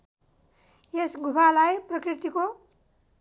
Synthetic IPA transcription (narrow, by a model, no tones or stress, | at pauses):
jesɡʱupalajprʌkrit̪iko